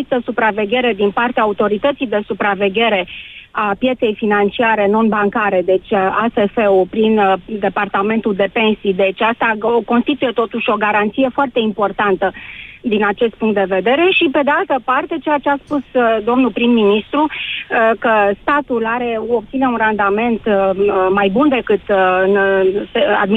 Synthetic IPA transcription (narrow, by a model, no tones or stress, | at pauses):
ist̪əsupɾave̞ɡʲe̞ɾe̞d̪inpart̪eaːut̪o̞ɾit̪ət̪sijd̪e̞supɾave̞ɡʲe̞ɾe̞apje̞t̪se̞jfinant͡ʃiaɾe̞no̞nbaŋkaɾe̞d̪e̞t͡ʃʲasefeopɾind̪e̞part̪ame̞nt̪uld̪e̞pe̞nsijd̪e̞t͡ʃʲast̪ako̞nst̪it̪uje̞t̪o̞t̪uʃʲo̞ɡaɾant̪sije̞foart̪e̞impo̞rt̪ant̪əd̪inat͡ʃe̞st̪̚puŋkt̪d̪e̞ve̞d̪e̞ɾe̞ʃipe̞d̪ealt̪əpart̪e̞t͡ʃe̞jat͡ʃe̞aspusd̪o̞mnupɾimːinist̪ɾu | kəst̪at̪ulaɾe̞opt̪sine̞unrand̪ame̞nt̪majbund̪e̞kɨt̪ɨn | a̰d̪mi